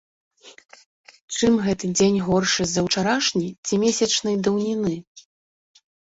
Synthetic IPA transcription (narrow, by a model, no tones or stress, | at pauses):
t͡ʂɨmɣɛt̪ɨd͡zʲenʲɣɔrʂɨzɐwt͡ʂaɾaʂnʲit͡sʲimʲesʲɐt͡ʂnɐjd̪ɐwnʲinɨ